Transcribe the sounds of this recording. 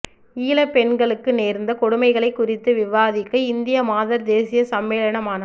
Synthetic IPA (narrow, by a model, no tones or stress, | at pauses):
iːlɐpɛɳɡɐɭɯkːɯneːɾnd̪ɐkɔɽʊmɐɪɣɐɭɐɪkːʊrɪt̪ːɯʋɪʋaːðɪkːɐɪnd̪ɪjɐmaːðɐɾd̪eːsɪjɐsɐmːeːlɐɳɐmaːnɐ